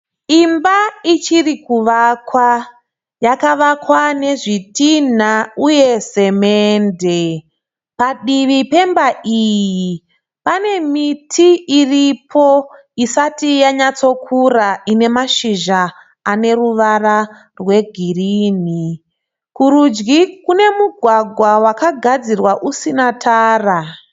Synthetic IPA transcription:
imbait͡ʃirikuʋakwa | jakaʋakwane̞ʐitin̤auje̞se̞meːnde | paɗiʋipe̞mbaʔiji | pane̞mitʰiiripʰo̞ | isatijaɲat͡so̞kʰuraine̞maʃiʒaː | ne̞ruʋara | rwe̞ɡʱiriːni | kuɾud͡ʒɡikune̞muɡʱwaɡʱwawakaɡʱad͡zirwaʔusinatʰaːra

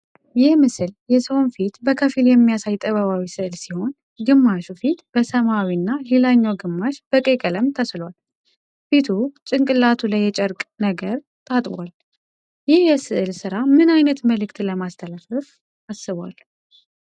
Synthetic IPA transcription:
jɪhmɨsɨljɛsəwnfit̪bəkʰəfiljɛmːijasajt̪ʼəβəβawisɨʔlsiho̞n | ɡɨmːaʃufit̪b̥əsəmawinːahilaɲːawɡɨmːaʃb̥əkʼekʼələmt̪ʰəslwal | fit̪ʰut͡ʃʼɪŋkʼɨlat̪ʰulajːɛt͡ʃʼɛɾkʼnəɡəɾ | t̪ʼat̪ʼbwal | jɪhjɛsɨʔlsɨɾamɨnajnət̪məlɨkt̪ləmast̪ʰəlafəf | asːɨβwal

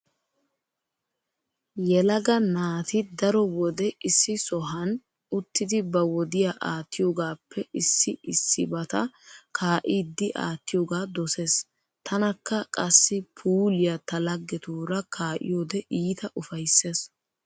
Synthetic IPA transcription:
jɛlɐɡɐnaːt̪ɪd̪ɐɾɔwɔd̪ɛɪsːɪsɔɦɐn | ʊt̪ːɪd̪ɪbɐwɔd̪ɪjaːʔaːt̪ʰːɪjoːɡaːpʰːɛʔɪsːɪɪsːɪbɐt̪ɐkʰaːʔiːd̪ːɪʔa̰ːt̪ːɪjoːɡaːd̪ɔse̞ːs | t̪ʰɐnɐkːɐkʼɐsːɪpʰuːlɪjɐt̪ɐlɐɡːɛt̪uːɾɐkʰaːʔɪ̰joːd̪ɛʔiːt̪ɐʔʊfɐjsːe̞ːs

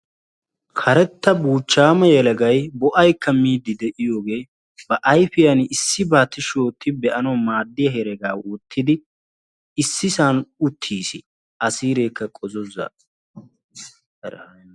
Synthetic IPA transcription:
kʰɐɾɛt̪ːɐbuːt͡ʃːaːmɐjɛlɐɡɐjbɔʔɐjkʰːɐmiːd̪ːɪd̪ɛʔɪjo̞ːɡe̞ː | bɐʔɐjfɪjɐnɪsːɪbaːt̪ːɪʃoːt̪ːɪbɛʔɐnɐmaːd̪ːɪjɐɦɛɾɛɡaːwʊt̪ʰːɪd̪ɪ | ɪsːɪsaːnʊt̪ʰːiːsɪ̰ | ʔɐsiːɾe̞ːkːɐkʼɔzɔza̰

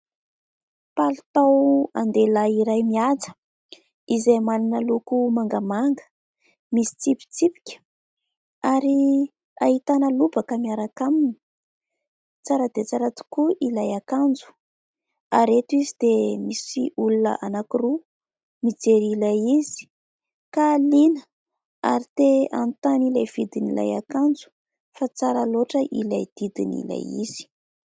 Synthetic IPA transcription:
palut̪awa̰nd̪elaiɾajmiat͡sə̥ | izejmaninəlukumaŋɡamaŋɡə̥ | misi̥t͡sipi̥t͡sipi̥kʲə̥ | aɾi | ahit̪anəlubakəmiaɾakamini | t͡saɾəd̪et͡saɾat̪u̥kuʔilajakand͡zu̥ | aɾet̪uizid̪emisiulunə̰ʔanakiru | mid͡zeɾilajizi̥ | kalinə | a̰ɾit̪ea̰nt̪anilajv̥id̪inila̰ja̰kand͡zu̥ | fat͡saɾəloʈ͡ʂəʔilajd̪̥id̪inḭla̰jḭz̥i̥

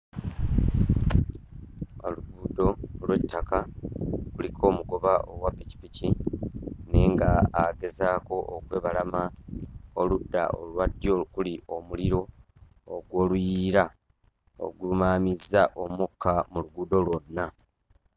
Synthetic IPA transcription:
o̰luɡuːdo̞lwe̞tːakakulikʰo̞ːmuɡo̞βaʔowapːici̥pici | neŋɡaːɡe̞zaːko̞ʔokwe̞ːβalama | oludːa̰o̰lwadːjokuliʔo̞muliɾo̞ | oɡwo̞ːlujiːɾa | o̞̰ɡulumaːmizːaʔo̞mukʰːamuluɡuːdo̞lwo̞nːa

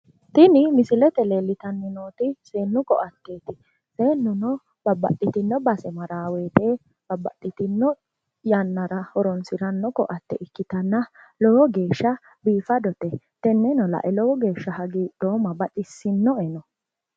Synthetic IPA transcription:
t̪ɪnɪmɪsɪlɛt̪ɛleːlːɪt̪ɐnːɪnoːt̪ɪseːnːʊkɔʔɐt̪ːe̞ːt̪ɪ | seːnːʊnɔ | b̥ɐbːɐ̰tːɪt̪ɪnːɔbɐsɛmɐɾaːwe̞ːt̪e | b̥ɐbːɐ̰ɗʼːɪt̪ɪnːɔ | jɐnːɐɾɐhɔɾɔnsɪɾɐnːɔkɔ̰ʔɐt̪ːɛʔɪkːɪt̪ɐnːɐlɔwɔɡe̞ːʃːɐ | biːfɐd̪ɔt̪ɛ | t̪ɛnːɛnɔlɐ̰ʔɛlɔwɔɡe̞ːʃːɐhɐɡiːɗo̞ːmɐbɐt̪ʼɪsːɪnːɔɛnɔ

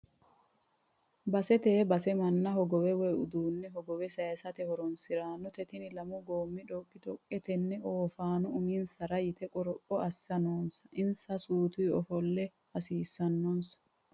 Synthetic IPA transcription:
bɐsɛt̪eːbɐsɛmɐnːɐhɔɡɔwɛwɛjʊd̪uːnːɛɦɔɡɔwɛsɐːsɐt̪ɛhɔɾɔnsɪɾaːnːʊt̪ɛt̪ɪnɪlɐmʊɡoːmːɪᶑɔkʼːɪt̪ɔkʼːɛt̪ɛnːɛoːfaːnʊʊmɪnsɐɾɐjɪt̪ɛkʼʊɾɔpʼːɔɐsːɐnoːnsɐ̥ʔɪnsɐsuːt̪uːɔfɔlːɛ | ɐsiːsːɐnːɔnsɐ̥

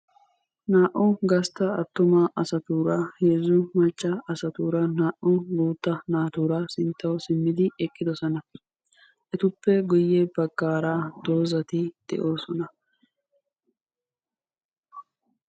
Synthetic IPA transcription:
naːʔʊnɡɐst̪ɐɐt̪ːʊmaːʔɐsɐt̪uːɾaheːzːʊmɐt͡ʃʼːɐɐsɐt̪uːɾɐnaːʔʊnɡuːt̪ːɐnaːt̪uːɾasɪnt̪ːɐwɔsɪmːɪd̪ɪɛkʼːɪd̪ɔsɔnɐ | ʔɛt̪ʊpːɛɡʊjːɛbɐɡːaːɾaːd̪̥o̞ːzɐt̪ɪd̪̥ɛ̰ʔo̞ːsɔnɐ

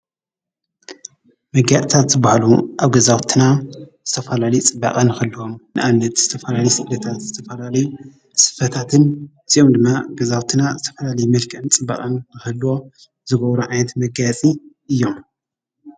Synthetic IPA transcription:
mɐɡat͡sʼit̪ʰat̪zɨbahaluʔaβɡɐzawt̪ʰinaz̥ɨt̪ʰɐfɐlalɐjut͡sʼɨbːa̰kʼɐnɨxɐlːɨwo̞mnɨʔaβnɐt̪z̥ɨt̪ʰɐfɐlalɐjusɨʔd̪ɐt̪ʰat̪zɨt̪ʰɐfɐlalɐju | sɨ̥fɐt̪ʰat̪ʰɨnɨziʔomd̪ɨmːaɡɐzawt̪ʰinazɨt̪ʰɐfɐlalɐjumɐlkʰʼɐɨnt͡sʼɨbːa̰kʼɐnːɨxɐlːwo̞ | zɨɡɐβɾuʕajnɐt̪mɐɡat͡sʼiʔɨjːom

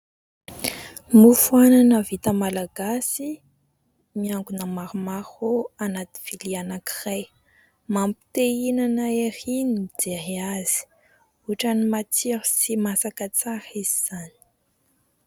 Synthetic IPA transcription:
mufuananəvit̪əmalaɡasi | miaŋɡunəmaɾumaɾoanat̪i̥v̥ilianaki̥raj | mampi̥t̪einanəeɾiniid͡zeɾiaz̥i̥ | uʈ͡ʂanimat͡siɾisimasakət͡saɾiziz̥ani̥

